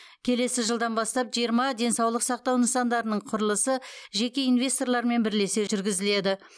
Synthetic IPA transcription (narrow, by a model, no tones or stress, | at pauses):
kʲʰe̞le̞sɪʒəlˠd̪ɑnbɑst̪ɑpʒijəɾmɑd̪ʲe̞nsɑwlˠəqsɑq̚t̪ɑwnəsɑnd̪ɑɾənəɴqʰʊɾəlˠəsəʒe̞kʲe̞ijnvʲe̞st̪o̞rlˠɑɾme̞nbɪɾle̞se̞ʒʏɾɡʲɪzɪle̞d̪ɪ